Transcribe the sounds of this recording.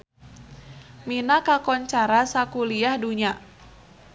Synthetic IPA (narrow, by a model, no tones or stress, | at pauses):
minakakɔɲt͡ʃaɾasakuliahduɲa